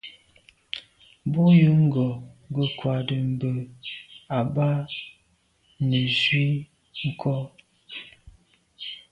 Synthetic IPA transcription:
bu˦jə˦ŋ̩˦ɡɔ˨ɡə˨kwa˨də˨m̩˨bə˨ | a˨ba˦ | nə˨zwi˦ | ŋ̩˦kʰɔ˦

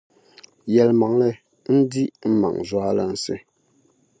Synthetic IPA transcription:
jɛ˨lma˨˦ŋlɛ˦˨ | n̩˦di˦ʔ̩˦ma̰˨ŋzwa˦la˦n̩˨sḛ˦

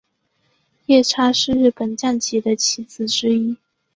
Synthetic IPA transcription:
jɛ˥˩ʈ͡ʂʰa˥ʂɻ̩˥˧ɻ̩˥˩pə˨˩nt͡ɕja˥˩nt͡ɕi˧˥d̪ə˧t͡ɕʰi˧˥t͡sɹ̩˨˧˩ʈ͡ʂɻ̩˥i˥

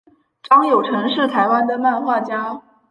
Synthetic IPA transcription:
ʈ͡ʂɑ˥ŋjo˨˩ʊʈ͡ʂʰɤ˧˥ŋʂɻ̩˥˩t̪ʰa˧˥ɪwa˥nd̪ə˨ma˥˧nxwa˥˩t͡ɕja˥

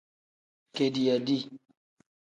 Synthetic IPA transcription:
ke˨di˨a˨di˦˨

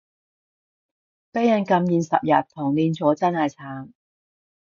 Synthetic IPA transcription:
pe˥jɐ˨˧nkɐ˧mjiː˨˧nsɐ̰˨p̚jɐ˨t̚t̪ʰːʊ˨˩ŋliː˧nt͡sɔː˨˥t͡sɐ˥nhɐ˨˩jt͡sʰaː˨˩ŋ

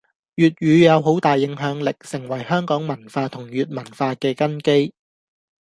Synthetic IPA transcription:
jyː˨t̚ɥyː˨˧jɐ˨˧wɦo˨˥wt̪aː˨jːɪ˨˥ŋɦœː˨˥ŋlɪ˨k̚sɪ˨˩ŋwɐ˨˩jhœː˥ŋkɔː˨˥ŋmɐ˨˩nfaː˧t̪ʰʊ˨˩ŋjyː˨t̚mɐ˨˩nfaː˧kɛː˧kɐ˥nke˥j

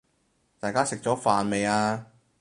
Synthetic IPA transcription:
t̪aː˨jkaː˥sɪ˨k̚t͡ʃɔː˨˥faː˨nme˨jaː˧

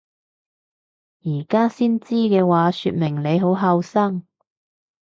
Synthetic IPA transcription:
jiː˨˩kaː˥siː˥nt͡siː˥kɛː˧waː˨˧syː˧t̚mɪ˨˩ŋne˨˧jɦo˨˥wɦɐ˧wsɐ˥ŋ

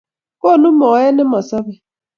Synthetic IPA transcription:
ko˦˨nʊ˦mɔ˨˦jɛ˦nɪ˦ma˨sa˦bɛ˨

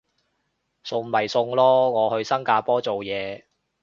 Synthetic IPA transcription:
sʊ˧ŋmɐ˨˩jsʊ˧ŋlɔː˥ŋɔː˨˧hɵ˧ɥsɐ˥ŋkaː˧pɔː˥t͡so˨wjɛː˨˧

